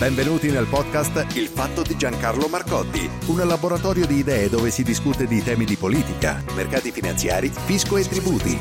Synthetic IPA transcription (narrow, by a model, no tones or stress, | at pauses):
bɛɱvenuːt̪inelpɔd̪̚kast̪ilfat̪ːod̪id͡ʒaŋkarlomarkɔd̪ːḭ | unlaboɾat̪ɔːɾjod̪iːd̪ɛːed̪oːvesid̪iskut̪ed̪it̪ɛːmid̪ipoliːt̪ika̰ | merkaːt̪ifina̰nt̪sja̰ːɾifiskoet̪ːɾibuːt̪ḭ